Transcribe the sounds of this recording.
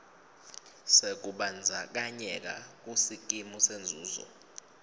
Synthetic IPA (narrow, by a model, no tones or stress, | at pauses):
sek̬uɓand͡zʱak̬aɲɛk̬a̰k̬usik̬ʼimusend͡zʱuːzɔ̰